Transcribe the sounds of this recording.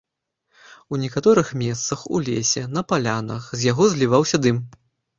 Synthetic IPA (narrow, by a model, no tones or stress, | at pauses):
unʲɛkat̪ɔɾɨxmʲɛst̪sɐxṵlʲesʲɛnɐpalʲanɐxzʲjaɣɔzʲlʲivawsʲɐd̪ɨm